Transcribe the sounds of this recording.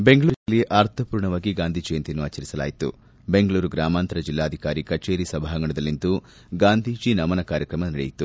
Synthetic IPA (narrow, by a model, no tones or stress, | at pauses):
be̞ŋɡɐɭuːɾɐlːiʔaɾt̪ʰɐpuːɾɳɐʋaːɡiɡaːnd̪ʱid͡ʒejɐnt̪inːuaːt͡ʃːɐɾisɐla̰ːjit̪ṵ | be̞ŋɡɐɭuːɾuɡɾaːmaːnt̪ɐɾɐd͡ʒilːaːd̪ʱikaːɾikɐt͡ʃe̞ːɾisɐbʱaːɦɐŋɡɐɳɐd̪ɐlːint̪u | ɡaːnd̪ʱiːd͡ʒinɐmɐnɐkaːɾjɐkɾɐmɐnɐɽḛjit̪u